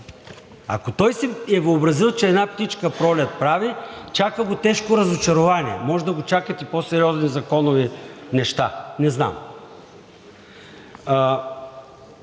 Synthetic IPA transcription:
a̰kot̪ɔjsɛɛvəobɾɐzilˠt͡ʃɛɛd̪napt̪it͡ʃkəpɾɔlʲɛt̪̚pɾavit͡ʃakəɡot̪ɛʃkoɾɐzot͡ʃɐɾovaniɛ̰mɔʒɛd̪ɐɡot͡ʃakət̪iposɛɾiɔznizɐkɔnʊvinɛʃt̪a̰nɛzna̰m

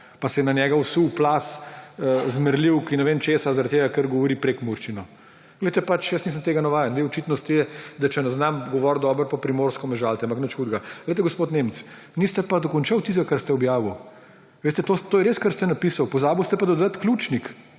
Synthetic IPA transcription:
pasɛjɛnɐnʲjɛɡawsuwplaːsəzməɾliwkinɛʋeːmt͡ʃeːsazaɾɐt̪t̪ːeːɡakəɾɡɔʋɔɾiːpɾekmuɾʃt͡ʃinɔ | ɡ̥lɛjt̪ɛpat͡ʃjəsnisəmt̪eːɡanaʋaːjənd̪ʋeɔt͡ʃit̪nɔst̪ijɛd̪at͡ʃɛnɛznamɡɔʋɔːɾd̪ɔːbəɾpapɾimoːɾskɔmɛʒalt̪ɛampaknət͡ʃxuːd̪ɡaɡ̥lejt̪ɛɡospoːt̪neːmt̪s | nist̪ɛpad̪ɔkɔnt͡ʃawt̪is̬ɡakaɾst̪ɛɔbjaːʋiw | ʋeːst̪ɛt̪ot̪oːjɛɾeːskəɾst̪ɛnapiːsawpɔzaːbiwst̪ɛpad̪ɔd̪ət̪klʲuːt͡ʃnik

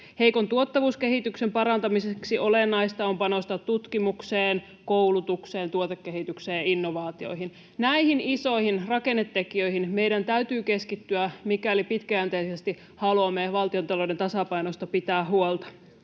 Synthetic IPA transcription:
he̞iko̞nt̪uot̪ːɑʋuːske̞ɦit̪yksempɑɾɑnt̪ɑmiseksiolenːɑist̪ɑompɑno̞st̪ɑt̪tut̪kimukseːn | koulut̪ukseːnt̪uot̪ekːeɦit̪ykseːjinːoʋɑːt̪io̞̰jiɦin | næihiniso̞ihinrɑkenːet̪ːekiø̞ihinme̞jdænt̪æyt̪yːke̞skit̪ːyæmikælipit̪kæænt̪eisest̪i | hɑlomeʋɑlt̪io̞nt̪ɑlodent̪ɑsɑpɑinost̪ɑpit̪æːɦuolt̪ɑ̥

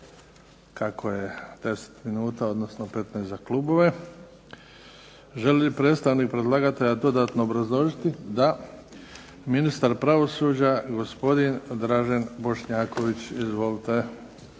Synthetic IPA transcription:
kakʰoje̞d̪̥e̞se̥t̪minuːt̪ao̞d̪nosno̞pe̞t̪nezaklˠuːbo̞ʋe | ʒe̞lipɾe̞ːt̪st̪aʋnik̚pɾe̞d̪lˠaɡat̪eʎad̪o̞d̪aːt̪no̞ːbɾazlˠo̞ʒit̪id̪a | minist̪aɾpɾaʋo̞suːd͡ʑaɡospo̞d̪ind̪ɾaʒanbo̞ʃɲaːko̞ʋit͡ɕizʋolt̪e

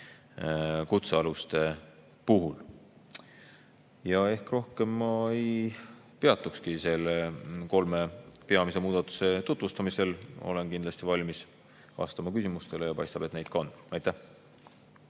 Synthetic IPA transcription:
kut̪seɑlust̪e̞ | puɦul | jɑe̞hkro̞hke̞mːɑej | pe̞ɑt̪ːˑukskise̞leko̞lme̞pe̞ɑmise̞muːd̪̥ɑt̪ːˑu̥se̞t̪ut̪vust̪ɑmise̞lo̞̰le̞nkind̪lɑsʲt̪ivɑlʲmis | vɑ̰st̪ɑmɑkysimust̪e̞le̞jɑpɑjst̪ɑb̥et̪ne̞jd̪̥kɑonɑjt̪ːæh

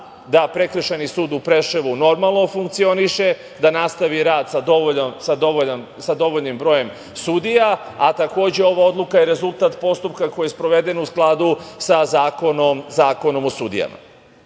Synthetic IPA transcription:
d̪apɾe̞kr̩ʃenisuːd̪upɾe̞ʃeʋuno̞ɾmalˠno̞fuŋkt̪sio̞niʃe̞ | d̪anast̪aʋiɾaːd̪sad̪oomsad̪ooan | sad̪o̞ʋo̞ʎnimbɾo̞je̞m | sud̪ijaat̪ako̞ːd͡ʑe̞o̞ʋao̞d̪lukajeɾe̞zult̪at̪po̞st̪upkako̞jespɾo̞ʋe̞d̪e̞nusklˠad̪usazaːkonomzaːko̞no̞mosud̪ḭja̰ma̰

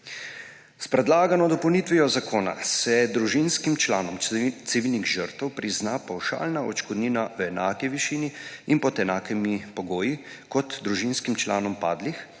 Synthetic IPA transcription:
spɾɛd̪laːɡanɔd̪ɔpəwnit̪ʋijɔzakʰoːna̰sɛd̪ɾuʒinskimt͡ʃlaːnɔmt̪siʋilniɣʒəɾt̪ɛwpɾiznapawʃa̰ːlnaɔt͡ʃkɔd̪niːnaʋɛnakiʋiʃiːniinpɔt̪ɛnaːkimipɔɡoːji | kɔt̪d̪ɾuʒinskimt͡ʃlaːnɔmpaːd̪lix

